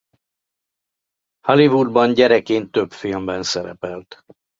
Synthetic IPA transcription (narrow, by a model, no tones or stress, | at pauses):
hɒlivud̪̚bɒɲɟɛɾɛkeːnt̪ø̞pfilmbɛnsɛɾɛpɛlt̪